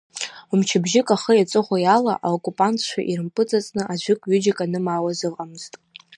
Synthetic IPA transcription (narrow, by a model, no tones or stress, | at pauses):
umt͡ʃʰɪbʒɪkʼaχəjat͡sʼɨχʷajala̰ʔa̰okʼupʼantʰʃʷʰa̰ʔirɨmpʼɨt͡sʼat͡sʼnɨʔaʒʷɪkʷʼɥʏd͡ʒɪkʼanɨmawazɨqʼamɨz̥tʼ